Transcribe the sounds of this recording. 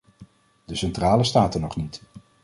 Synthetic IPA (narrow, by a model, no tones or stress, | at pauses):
d̥əsɛntraːləstaːtənɔχnit